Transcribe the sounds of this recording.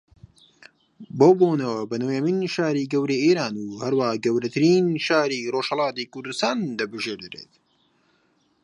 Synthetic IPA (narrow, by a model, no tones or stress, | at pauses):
bowboːnɐwɐbɐnojɐminʃaːɾiːɡɐwɾeʔeːɾaːnuːhɐɾwahaɡɐwɾɐt̪ʰɨɾiːnʃaːɾiroːʃhɐlˠɑːt̪iːkʊɾd̪ɨst̪aːnd̪ɐbɨʒeːɾd̪ɨɾḛːt̪